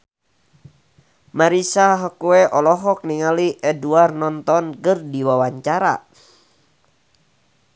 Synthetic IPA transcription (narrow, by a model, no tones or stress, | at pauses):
maɾisaɦɔkuɛʔɔlɔɦɔk̚niŋaliʔɛduarnɔnt̪ɔnkɨrdiwawaɲt͡ʃaɾa̰